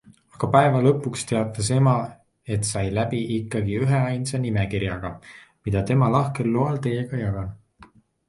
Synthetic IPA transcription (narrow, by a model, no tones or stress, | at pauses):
ɑɡ̥ɑpæevɑlɤ̞pːˑukst̪e̞ɑt̪ːˑɑse̞mɑ | e̞t̪sɑjlæbiʔikːɑɡiyɦe̞ɑjnsɑnimekiɾjɑɡ̥ɑ | mid̪̥ɑt̪e̞mɑlɑhke̞lːoɑlt̪e̞jeɡ̥ɑjɑɡ̥ɑn